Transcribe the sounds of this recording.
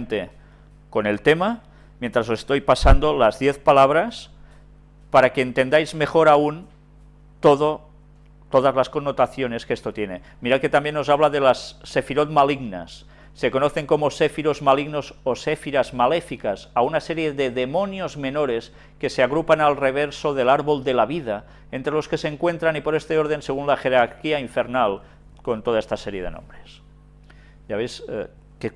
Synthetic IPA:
nt̪e | kone̞lt̪ema | mjent̪ɾasosest̪ojpasand̪olazðjeθpalaβ̞ɾas | paɾakeːnt̪end̪ajzme̞xoɾaun | t̪oðo | t̪oðazlaskonːot̪aθjone̞skest̪ot̪jene | miɾake̞t̪ambjeno̞zaβ̞laðelasːefiɾot̪̚maliɣna̰sː | e̞konoθeŋkomosefiɾozmaliɣno̞zosefiɾazmalefikasaunaseɾjeðeðemonjozme̞noɾes | keseaɣ̞ɾupanalreβ̞eɾsoðelaɾβold̪elaβiða | ent̪ɾelo̞skeseŋkwe̞nt̪ɾanipo̞ɾest̪eoɾð̞enseɣunlaxeɾaɾkiaiɱfeɾnal | kont̪oð̞aest̪aseɾjeðeno̰mbɾes | jaβes | ke

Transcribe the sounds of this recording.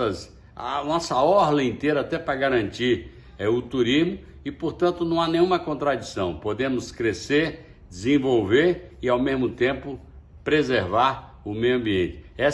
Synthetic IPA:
ɐs | a̰nɔsɐɔɦlɐ̃ĩt̪eɾɐat̪ɛpɾɐɡaɾɐ̃nt͡ʃiɾ | ɛʊt̪uɾizmʊ | ɪpoɾt̪ɐ̃nt̪ʊnɐ̃w̃anẽj̃ũmɐkõnt̪ɾad͡ʒisɐ̃w̃pod̪ẽmʊskɾeseɾ | d͡ʒɪzẽvowveɾɪawmezmʊt̪ẽpʊ | pɾezeɾvaɾ | ʊmejuɐ̃mbiẽnt͡ʃɪ̥ɛ

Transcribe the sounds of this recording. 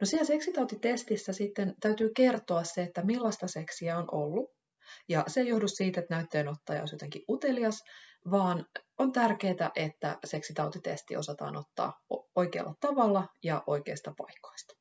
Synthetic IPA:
nosiɛlse̞ksit̪ɑut̪it̪est̪isːæsit̪ːent̪æyt̪yːke̞rt̪oɑsseet̪ːæmilːɑst̪ɑseksiæonʔolːu | jɑsejohdussiːt̪et̪næyt̪ːeːnot̪ːɑːjɑ̰o̰sjot̪eŋkiʔʔut̪e̞liɑsʋɑːnont̪ærke̞ːt̪æ̰ʔe̞t̪ːæ̰se̞ksit̪ɑut̪it̪ḛst̪ḭo̞̰sɑt̪ɑ̰ːnot̪ːɑ̰ːoikḛːlːɑt̪ɑʋɑlːɑjɑʔo̞ikeːst̪ɑpɑ̰ikːo̥ist̪ɑ̥

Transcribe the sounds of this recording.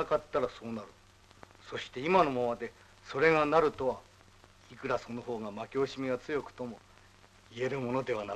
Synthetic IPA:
akat̪ːaɾaso̞ːnaɾɯ̟ | so̞ɕi̥t̪e̞imano̞mamad̪e̞ | so̞ɾe̞ɡanaɾɯ̟t̪o̞βa | ikɯ̟ɾaso̞no̞ɦo̞ːɡamakʲo̞ːɕimʲiɡat͡sɨjo̞kɯ̟̥t̪o̞mo̞ | ie̞ɾɯ̟mo̞no̞d̪e̞βana

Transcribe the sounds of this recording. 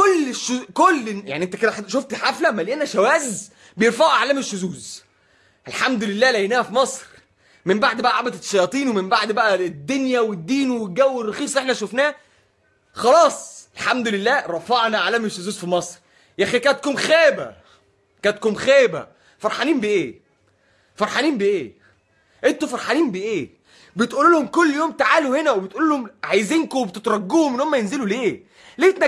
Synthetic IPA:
kolːeʃːkolːja̰ʕniʔent̪æked̪æħʃoft̪ħaflæmæleʔænæʃæwæːz | bejeɾfɑʕʔaʕlæːmeʃːʊzuːz | ʔælħamd̪olelːæːlæjnæːhæfimɑsˤɾ | membaʕd̪bæʔæʕabæt̪ʃːɑjɑːt̪ˤiːnwemembaʕd̪bæʔæd̪ːonjæwed̪ːiːnweɡæwːerˤːɑxiːsˤʔeħnæʃofnæː | xɑlɑːsˤelħamd̪olelːæːɾˤɑfɑʕnæʕalæmeʃezuːzfimɑsˤɾ | jæxikænæt̪̚komxæːbæ̰ | kænt̪komxæːbæ̰ | fɑɾˤħɑniːnbeʔeː | fɑɾˤħɑniːmbeʔeː | ʔent̪ofɑɾˤħɑniːmbeʔeː | bet̪ʔululhomkolːjoːmt̪aʕaːluhenæwebet̪ʔuːluːlhomʕajziːnkowebet̪et̪ɾˤɑɡːuːhomenːhomːæjenzeluleː | let̪næ

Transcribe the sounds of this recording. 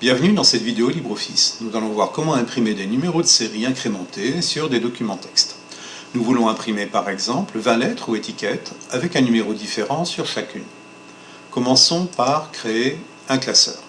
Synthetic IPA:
b̥jɛ̃vnyd̪ɑ̃sɛt̪vid̪eolibʁofisnuzalɔ̃vwaʁkɔmɑ̃ɛ̃pχimed̪enymeʁod̪əseʁiɛ̃kχemɑ̃t̪ʰesyʁd̪ed̪ɔkʲymɑ̃t̪ɛ̥kst̪ | nuvulɔ̃ɛ̃pχimepaʁɛɡzɑ̃pləvɛ̃lɛt̪χuet̪ikʲɛt̪avɛkɛ̃nymeʁod̪ifeʁɑ̃syʁʃakʲyn | kɔmɑ̃sɔ̃paʁkχee | ɛ̃klasœ̰ːʁ

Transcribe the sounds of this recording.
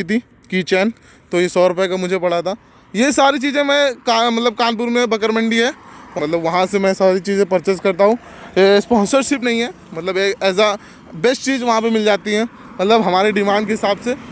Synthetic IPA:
it̪̬ʰi | kit͡ʃɛːn | t̪ojesɔːɾʊpekamʊd͡ʒʱepɐɽ̤at̪ʰaː | jesaːɾit͡ʃiːzẽmɛ̃kamɐt̪ləb̚kãːnp̬uːɾmẽbɐk̬əɾmə̃ɳɖiɦɛːmɐt̪ləbʋɐɦãsemɛ̃saːɾit͡ʃiːzẽpɐɾt͡ʃəskɐɾt̪aɦũː | jespɔ̃ːnsəɾʃɪpnɐɦĩɦɛː | mɐt̪ləbeːkɛːs̬a | bɛsʈt͡ʃiːzʋɐɦãp̬emɪld͡ʒaːt̪iɦɛ̃ː | mɐt̪ləbɦɐmaːɾeɖɪmãːɳɖkeɦɪsaːbse

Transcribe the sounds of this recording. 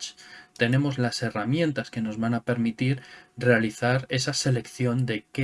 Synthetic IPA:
t͡ʃt̪e̞ne̞mo̞zlase̞ramjẽ̞nt̪aske̞no̞zβanape̞ɾmit̪iɾre̞aliθaɾe̞sase̞le̞kθjo̞nd̪e̞ke

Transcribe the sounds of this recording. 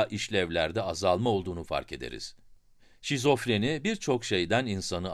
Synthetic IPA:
ʔiʃlʲɛvlʲæɾd̪ɛazalˠmao̞lˠd̪uːnufa̰ɾke̞d̪ḛɾḭz̥ | ʃizo̞fɾenibiɾt͡ʃʰo̞kʃe̞jd̪æninsanɯ

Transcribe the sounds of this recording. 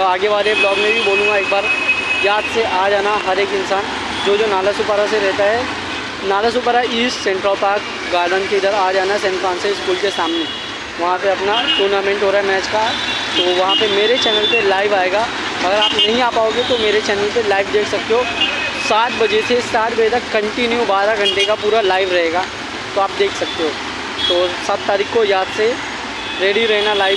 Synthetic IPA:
aːɡeʋaːleblɔːɡmẽbʱiboːlũŋɡaeːk̚baːɾjaːd̪seʔaːd͡ʒaːnaɦɐɾeːkɪ̃nsaːn | d͡ʒoːd͡ʒoːnaːləsupəɾaseɾɛɦt̪aɦɛ | naːləs̬ʊpəɾaissɛ̃ɳʈɾəlpaːɾk | ɡaːɾɖənkeɪd̪əɾaːd͡ʒaːnasẽnfɾãːnseɪskuːlkesaːmne | ʋɐɦãpeɐpnaʈuːɾnaːmẽɳʈɦoːɾaːɦɛmɛːt͡ʃkat̪oʋɐɦãpemeːɾet͡ʃɛːnəlpelaːɪʋaːeːɡaː | ɐɡəɾaːpnɐɦĩaːpaːoːɡet̪omeːɾet͡ʃɛːnəlpelaːɪʋd̪eːkʰsɐk̚t̪eɦoːsaːt̪bɐd͡ʒet̪ʰesaːt̪̚bɐd͡ʒet̪ɐkːɐ̃ɳʈinjũbaːɾaɡʱɐ̃ɳʈekapuːɾalaːɪʋɾɐɦeːɡaː | t̪oaːp̚d̪eːkʰsɐk̚t̪eɦoː | t̪oːsɐb̚t̪ːaːɾiːkːojaːd̪se | ɾeːɽiɾɛɦnalaːɪ

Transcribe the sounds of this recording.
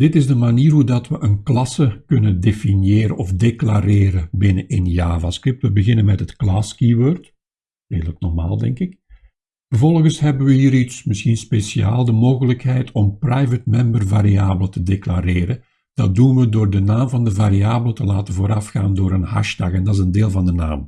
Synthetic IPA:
d̥ɪtɪzdəmaniːrɦudɑtʋəʔənklɑsəkɵnəndefinjeːɾə̰ɔfdeklaɾeːɾəbɪnəʔɪnjaːvaskrɪp̚tʋəbəɣɪnənmɛtɦətklɑskiʋøːrt | reːɣələknɔrma̰ːlˠdɛ̰ŋkɪk | vərvɔlˠɣənsɦɛbəʋəɦiːɾitsmɪsxinspesia̰ːlˠdəmoːɣələkɦɛjtɔmprajvətmɛmbərvaɾiaːbələtədeklaɾeːɾə | d̥ɑt̚dunʋədoːrdənaːmvɑndəvaːɾiaːbələtəlaːtəvoːɾɑfxaːndoːɾənɦɑ̰ʃtɑɣɛndɑtɪzəndeːlˠvɑndəna̰ːm

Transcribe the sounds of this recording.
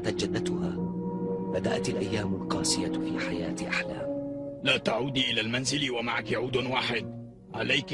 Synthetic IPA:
t̪at̪̚d͡ʒad̪ːat̪ʊhaː | bad̪aʔat̪alʔajːaːmʊlqɑːsɪjafḭːħajaːt̪ʔaħla̰ːmlaːt̪aʕuːd̪iʔɪlaːlmanzɪlwamaʕakɪʕuːd̪waːħɪd̪̚ | ʕa̰lajk

